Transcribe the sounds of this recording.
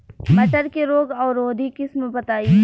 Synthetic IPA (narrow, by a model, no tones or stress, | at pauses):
mɐʈəɾkeɾoːɡɔːɾoːd̪ikɪsmbɐt̪aːi